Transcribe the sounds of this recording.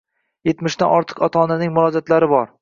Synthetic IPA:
je̞t̪mɪʃt̪anɒɾt̪ʰɨ̥qɒt̪ʰɒːnanɪŋmʊlˠɒd͡ʒat̪laɾɪbɒɾ

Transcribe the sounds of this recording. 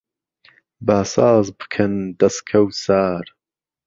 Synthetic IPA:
baːsɑːzbɨ̥kʰɨnd̪ɐskʰɐwsaːɾ

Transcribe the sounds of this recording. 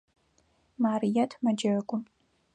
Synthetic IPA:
maːrijɐtʰmɐd͡ʒɐkʷʼʊm

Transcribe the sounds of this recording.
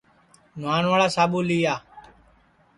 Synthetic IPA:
nʊaːnʋaːɭaːsaːɓuːliːaː

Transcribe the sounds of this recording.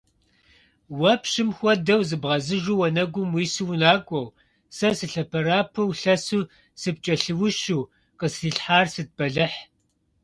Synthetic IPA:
wɐpʰɕɨmxʷɔdɐwzɨbʁɐzɨʒuːwɐnɐɡʷʊmwiːsɨwʊnaːkʷʼɔw | sɐsɨɬɐpʰɐɾaːpʰɐwɬɐsuː | sɨp̚t͡ʃʼɐɬɨwʊʃuː | qəsriːɬħaːrsɨd̚bɐɮɨħ

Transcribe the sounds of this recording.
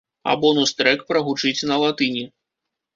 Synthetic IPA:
a̰bɔnust̪ɾɛkpɾɐɣut͡ʂɨt͡sʲnɐlˠat̪ɨnʲi

